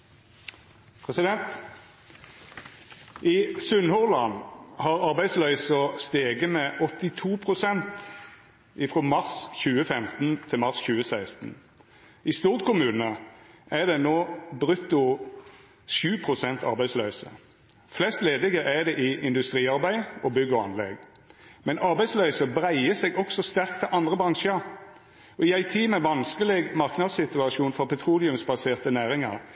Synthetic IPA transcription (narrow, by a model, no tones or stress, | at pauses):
pʰʁɛsɪd̪ɛnt̪ | ʔisʉnhɔʁlɑnhɑːʁɑʁbæɪsløʏsɔst̪eːɡəmeːʔɔt̪ɪt̪ʰuːpʰʁʊsɛnt̪ | ʔɪfʁoːmɑʁsçʉːəfɛmt̪n̩t̪ʰɪmɑʁsçʉːəsæɪst̪n̩ | ɪst̪uːʁt̪kʰʊmʉːnəʔæʁd̪ɛnoːbʁʉt̪ːʊ | ʃʉːpʰʁʊsɛnt̪ʰɑ̰ʁbæɪsløʏsə̰ | flɛst̪leːd̪ɪɡəʔæd̪ɛʔɪɪnd̪ʉst̪ʁiːɑʁbæɪɔbʏɡːɔɑ̰nlɛ̰ɡ | mɛnɑʁbæɪslœʏsəbʁæɪəseɡɔksɔst̪æʁk̚t̪ʰɪʔɑnd̪ʁəbʁɑŋʃəʁ | ɔɪæɪt̪ʰiːmɛʋɑnskəlɪɡmɑʁknɑd̪sɪt̪ʉɑʃuːnfɔʁpʰɛt̪ʰʁuːlɪʉmsbɑseːʁt̪ənæːʁɪŋɑ̰ʁ